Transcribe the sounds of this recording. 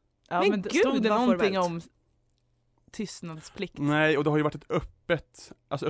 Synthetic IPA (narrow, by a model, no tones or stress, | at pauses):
muːɡd̪ɛnɔnɪŋːɔm | t̪ʰʏst̪nad̪spʰlɪk̪̚næɪɔd̪ɛhaɾjʊʋaʈːɛt̪œpːət̪ʔalsɔ